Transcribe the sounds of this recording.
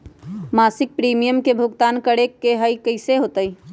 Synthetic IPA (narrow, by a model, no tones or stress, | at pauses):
masɪk̚pɾimijəmkebʱʊɡt̪aːnkəɽekːeɦəikəɪseɦot̪əi